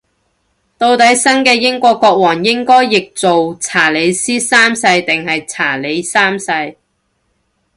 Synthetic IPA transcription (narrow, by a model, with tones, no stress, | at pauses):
t̪o˧wt̪ɐ˨˥jsɐ˥nkɛː˧jɪ˥ŋkʷɔː˧kːɔː˧k̚wɔː˨˩ŋjɪ˥ŋkɔː˥jːɪ˨k̚t͡so˨wt͡sʰaː˨˩le˨˧jsiː˥saː˥msɐ˧jt̪ɪ˨ŋɦɐ˨jt͡sʰaː˨˩le˨˧jsaː˥msɐ˧j